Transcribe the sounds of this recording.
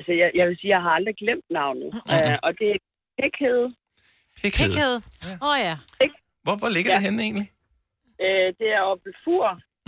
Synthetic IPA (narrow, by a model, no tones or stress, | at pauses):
lsəjɑjɑ̈ʋe̝lsiːjɑ̈ɪɦɑ̈ɑ̈ld̥ʁiɡ̥lem̰d̥nɑ̈ʊnð̩ˠɒ̽d̥e̝æ | pʰeɡ̥heð̞ˠ | pʰeɡ̥eðˠeðˠæeɡ̥ | ʋɒʋɒle̝ɡ̥ɐdeɦene̝̰ːnli | ød̥e̝æɐɒ̽b̥fuɐ̰